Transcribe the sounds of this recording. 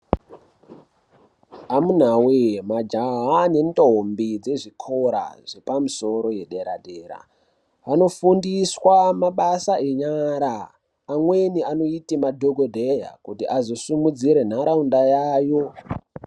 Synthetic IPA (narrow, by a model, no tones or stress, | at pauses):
amun̤awemad͡ʒaɦane̞ndombid͡ze̞ʐikʰoɾa̰ʐ̥e̞pamuso̞ɾo̞je̞ɗe̞ɾa̰ɗe̞ːɾa̰ | ano̞fundiswamaɓasaʔe̞ɲaɾaː | mweniano̞itimadʱo̞ɡʱodʱe̞ja̰kutiʔazo̞sumud͡ziɾe̞n̤aɾaundajaːjo̞